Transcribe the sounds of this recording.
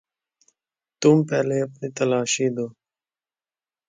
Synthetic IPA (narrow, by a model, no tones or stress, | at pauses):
t̪umpɛːleːɐpniːt̪ɐlaːʃiːd̪oː